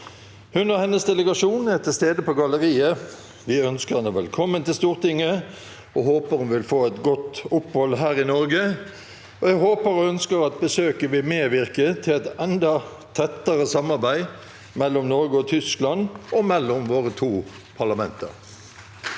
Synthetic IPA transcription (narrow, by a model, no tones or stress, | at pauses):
hʉnəʁhɛnːəsd̪ɛləɡɑʂuːnɛʁt̪ʰɪlst̪eːd̪əpʰɔɡɑləʁiːə | ʋɪœnskəʁɛnəʋɛlkʰɔmːənt̪ɪlst̪uːʁt̪ɪŋːə | ɔhoːpəɾhʉnʋɪlfoːɛt̪ɡɔt̪ʊphɔlɦæːɾɪnɔɾɡə | ɔɛɡɦoːpəɾɔœnskəɾɑt̪̚bəsøːkəʋɪmeːʋɪʁkət̪ʰɪlɛt̪ɛnd̪ɑ | t̪ʰɛt̪ːəʁəsɑmɑʁbæɪ | mɛlːɔmnɔɾɡəɔt̪ʰʏsklɑnɔmɛlːɔmʋoːʁət̪ʰuː | pʰɑʁlɑmɛnt̪ə̰ʁ